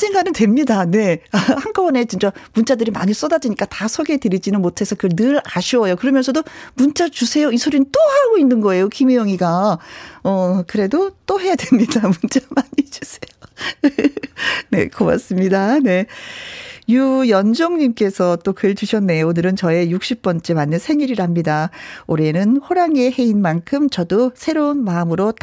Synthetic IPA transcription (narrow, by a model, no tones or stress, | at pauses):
sʰeŋɡanɯntwe̞mɲidane̞ahank͈ʌwʌne̞t͡ɕint͡ɕ͈amunt͡ɕ͈adɯɾima̰ɲis͈ʌdad͡ʑiɲik͈atasʰʌɡetɯɾid͡ʑinɯnmotʰe̞sʰʌkɯɭnɯɾaɕʰiwʌjokɯɾʌmjʌnsʰʌdomunt͡ɕ͈at͡ɕusʰe̞joisʰoɾint͈ohaɭɡoinːɯnɡʌe̞jokʰimijʌŋiɡa | ʌkɯɾe̞dot͈ohe̞jadwe̞mɲidamunt͡ɕ͈amaɲid͡ʑusʰe̥joe | ne̞̰koba̰s͈ɯmɲidane̞ | jujʌnd͡ʑoŋɲimk͈e̞sʰʌt͈okɯɭt͡ɕuɕʰʌnːeonɯɾɯnt͡ɕʌe̞juk̚ɕ͈ip̚p͈ʌnt͡ɕ͈emanːɯnsʰe̞ŋiɾiɾɦamɲidaoɾenɯnɸoɾaŋe̞he̞inmankʰɯmt͡ɕʌdosʰe̞ɾounmaɯmɯɾot